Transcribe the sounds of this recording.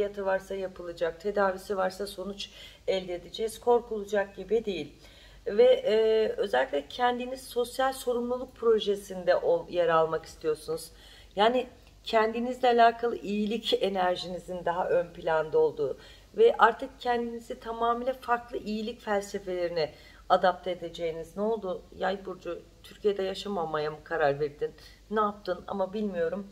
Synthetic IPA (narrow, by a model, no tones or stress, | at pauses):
fijat̪ʰɯvaɾsajapʰɯlˠɯd͡ʒak̚t̪ʰe̞d̪aːvisivaɾsaso̞nut͡ʃ | ɛlʲd̪eːd̪id͡ʒɛz̥kʰo̞ɾkulˠud͡ʒak̚ɟibid̪e̞jilʲ | vɛːø̞zɛlʲicʲlʲɛcʰɛnd̪iniz̥so̞sjalʲso̞ɾumlˠulˠuk̚pʰɾo̞ʒesind̪ɛʔojaɾalˠmaki̥st̪ʰijo̞ɾsunuz̥ | jaːni | cʰɛnd̪inizlʲɛalʲaːkʰalˠɯʔijilʲice̞næɾʒinizind̪aɦaʔønpʰilʲand̪ao̞lˠd̪uː | vɛʔaɾt̪ʰɯk̚cʰɛnd̪inizit̪ʰamaːmiːlʲɛfaɾklˠɯʔijilʲicfælʲse̞fe̞lʲe̞ɾinɪ | ad̪ap̚t̪ʰeed̪e̞d͡ʒe̞jinizno̞lˠd̪ujajbuɾd͡ʒut̪ʰyɾcije̞d̪ɛjaʃamamajamɯkʰaɾaɾveɾd̪inː | ɛap̚t̪ʰɯna̰mabilʲmijo̞ɾum